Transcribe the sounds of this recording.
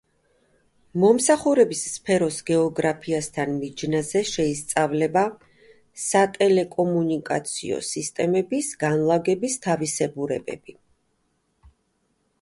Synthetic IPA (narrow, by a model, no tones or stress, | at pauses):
mɔmsaχuɾɛbisːpʰɛɾɔsɡɛɔɡɾapʰiast̪ʰanmid͡ʒnazɛʃɛist̪sʼavlɛba | sat̪ʼɛlɛkʼɔmunikʼa̰t̪sʰḭɔ̰sist̪ʼɛmɛbisɡ̥anlˠaɡɛbist̪ʰavisɛbuɾɛ̰bɛ̰bi